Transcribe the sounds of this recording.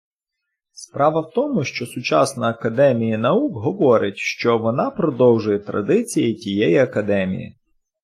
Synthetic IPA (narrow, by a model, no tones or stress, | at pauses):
spɾɑʋɐwt̪ɔmʊʃt͡ʃɔsʊt͡ʃɑsnɐɐkɐd̪ɛmʲijinɐukɦɔʋɔɾɪtʲʃt͡ʃɔʋɔnɑpɾɔd̪ɔwʒʊjɛt̪ɾɐ̰d̪ɪt͡sʲijitʲijɛjiɐkɐd̪ɛmʲḭjḭ